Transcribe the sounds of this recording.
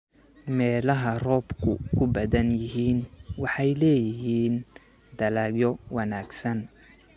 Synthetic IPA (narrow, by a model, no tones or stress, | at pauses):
mɛːlɐɦɐrɔːbkʰʊ̰kʰʊbɐðɐnjɪɦiːnwɑħɑjlɛːjɪɦiːn | d̪ɐlaːɡjɔwɑnaːɡsɐn